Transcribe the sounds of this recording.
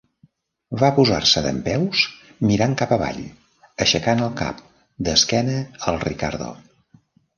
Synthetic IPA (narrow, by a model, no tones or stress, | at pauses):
βapuza̰rsəðə̰mpɛws | miɾaŋkapəβa̰ʎ | əʃəkanəlˠka̰p̚ | d̪əskɛnəəlˠrika̰ɾðo̰